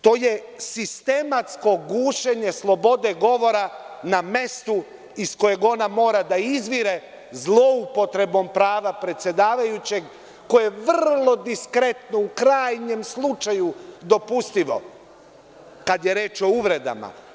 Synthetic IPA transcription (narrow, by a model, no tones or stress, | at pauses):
t̪o̞ːje | sist̪e̞mat̪sko̞ɡuːʃeɲe̞slˠo̞bo̞d̪e̞ɡo̞ʋo̞ɾaname̞st̪u | isko̞je̞ɡo̞namo̞ːɾad̪aizʋiɾe̞ | zlˠo̞upo̞t̪ɾe̞bo̞mpɾaːʋapɾe̞t̪sje̞d̪aːʋajut͡ɕe̞ɡ | ko̞jeʋrlˠo̞d̪iskɾe̞t̪noukɾaːjɲe̞mslˠut͡ʃajud̪o̞pust̪iʋo̞̰ | kad̪je̞ɾe̞ːt͡ʃo̞uʋɾe̞d̪a̰ma̰